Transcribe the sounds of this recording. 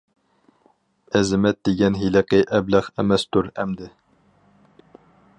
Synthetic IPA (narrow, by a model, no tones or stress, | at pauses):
ɛzɪmɛt̪̚d̪eɡʲɛnɦilɨqɨʔɛblæχæmɛst̪uɾɛmd̪ɪ